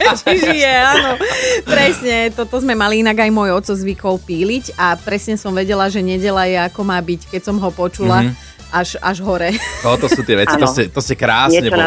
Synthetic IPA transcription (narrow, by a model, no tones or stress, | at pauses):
ʒijɛaːnɔpɾɛsɲɛt̪ɔt̪ɔzmɛmaliinaɡajmɔjɔt̪t͡sɔzʋikɔlpiːliɟapɾɛsɲɛsɔmʋɛɟɛlaʒɛɲɛɟɛlajɛakɔmaːbickɛcsɔmɦɔpɔt͡ʃula | aʒa̰ʒɦɔɾɛt̪ɔt̪ɔsuːt̪ɪɛʋɛt͡sit̪ɔscɛt̪ɔscɛkɾaːsɲɛ